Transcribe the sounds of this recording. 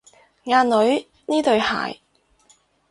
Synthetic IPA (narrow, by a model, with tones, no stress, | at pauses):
ŋaː˧nlɵ˨˥ɥ | niː˥t̪ɵ˨˧ɥha̰ː˨˩j